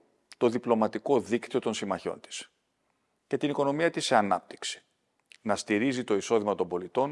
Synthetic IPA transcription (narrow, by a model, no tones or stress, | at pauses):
t̪o̞ðiplo̞mɐt̪iko̞ðikt̪iot̪o̞nsimɐço̞̰nt̪i̥s | ce̞t̪iniko̞no̞miɐt̪iseɐnɐ̰p̚t̪i̥ksi̥ | nɐst̪iɾizit̪o̞iso̞ðimɐt̪o̞mbo̞lit̪o̞n